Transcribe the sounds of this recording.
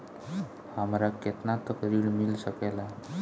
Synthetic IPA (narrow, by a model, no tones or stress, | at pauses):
hamɾaket̪nat̪əkəɾiːɭmilɕəkela